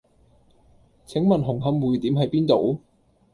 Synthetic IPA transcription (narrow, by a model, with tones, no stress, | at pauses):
t͡sʰɪ˨˥ŋmɐ˨˩nɦʊ˨˩ŋɦɐ˨˥mwuː˨˩jt̪iː˨˥mɦɐ˨jpiː˥nt̪o˨˧w